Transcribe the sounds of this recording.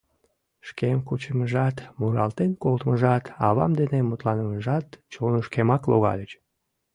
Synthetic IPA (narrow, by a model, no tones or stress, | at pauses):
ʃkemkut͡ɕəməʒɑt̪muɾɑlt̪enkolt̪məʒɑt̪ɑβɑ̰md̪enemut̪lɑnəməʒɑt̪t͡ɕonoʃkemɑklo̰ɣɑ̰lʲət͡ɕ